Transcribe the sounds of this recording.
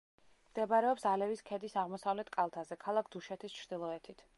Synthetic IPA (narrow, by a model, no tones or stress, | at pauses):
md̪̥ɛbaɾɛɔpsalɛviskʰɛd̪isaʁmɔsavlɛt̪ʰkʼalˠt̪ʰazɛkʰalˠak̚ʰd̪̥uʃɛt̪ʰist͡ʃʰɾd̪̥ilˠɔɛt̪ʰit̪ʰ